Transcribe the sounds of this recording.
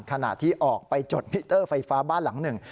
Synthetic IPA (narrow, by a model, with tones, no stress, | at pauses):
nkʰa˧na̰˨˩t̪ʰːiː˥˩ʔɔː˨˩k̚pa˧jt͡ɕo˨˩t̪̚mi˦˥t̪ːɤː˥˩fa˧jfaː˦˥baː˥˩nla˩˦ŋnɯ˨˩ŋ